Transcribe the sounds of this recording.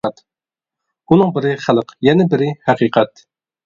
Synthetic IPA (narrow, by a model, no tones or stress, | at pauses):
t̪ | unɨŋbɪɾɪχælˠəqjɛnɛbɪɾɪhæqʰiːqʰɛt̪